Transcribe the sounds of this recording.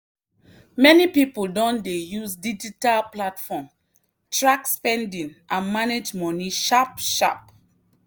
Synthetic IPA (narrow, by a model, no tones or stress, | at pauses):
mɛnipipuldɔ̃ndejusdid͡ʒitalplatfɔ̃m | tɹakspɛ̃ndĩnʔãnmaned͡ʒmɔniʃapʃa̰p̚